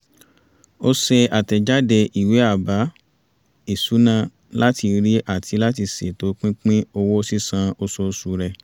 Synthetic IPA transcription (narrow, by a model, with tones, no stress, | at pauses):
o˧sɛ˧a˨tɛ˨d͡ʒa˦de˧ʔi˨we˨˦a˦˨ba˨˦ | i˨su˨˦nã˦ | la˦ti˧ɾi˦ʔa˦˨tʰi˧la˦t̬i˧se˨to˨˦k͡pĩ˦k͡pĩ˦o˧wo˦si˦sã˧o˧so˧˦su˧ɾɛ˧